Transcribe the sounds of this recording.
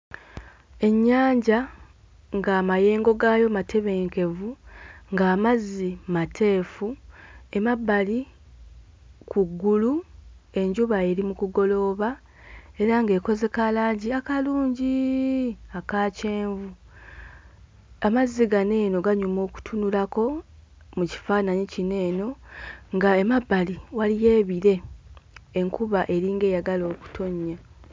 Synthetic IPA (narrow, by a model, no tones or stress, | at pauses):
e̞ɲːaːɲɟa | ŋɡaːmaje̞ːŋɡo̞ɡaːjo̞matʰe̞βe̞ːŋke̞vuŋɡaːmazːimatʰe̞ːfue̞mabːali | kʰuɡːulu | e̞ɲɟuβaeɾimukuɡo̞lo̞ːβa | e̞ɾaŋɡe̞ːko̞ze̞kalaːɲɟiakaluːɲɟi | akaːce̞ːɱvu | amaziɡane̞ːno̞ɡaɲumo̞ːku̥tʰunulako̞ | muci̥faːnaɲicine̞ːno̞ŋɡaemabːaliwalije̞ːβiɾe̞ː | ŋkuβaʔe̞ɾiːŋɡe̞ːjaɡalo̞ːku̥tʰo̞ɲːa